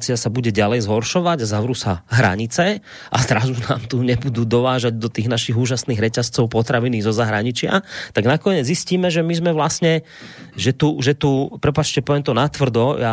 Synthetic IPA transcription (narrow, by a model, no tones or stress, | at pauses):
t͡siasabuɟɛɟalɛjzɦɔɾʃɔʋaɟazaʋɾusaɦɾa̰ɲit͡sɛ | ʔazɾazuna̰ːmt̪uɲɛbud̪uːd̪ɔʋaːʒaɟd̪ɔt̪iːɣnaʃiɣuːʒasniːɣɾɛcast͡sɔʊpɔt̪ɾaʋiniːzɔzaɦɾaɲit͡ʃɪa̰t̪aɡnakɔɲɛd͡zzisciːmɛʒɛmizmɛʋlasɲɛ | ʒɛt̪uʒɛt̪upɾɛpat͡ʃcɛpɔʋɛmt̪ɔnat̪ʋr̩d̪ɔa